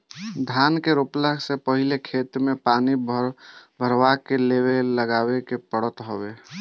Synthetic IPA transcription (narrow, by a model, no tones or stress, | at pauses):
d̪ʱankeɾopləɡsepəɦilekʰet̪mepaːnibbʱəɾwakeleβeləɡabekepəɽət̪ɦobe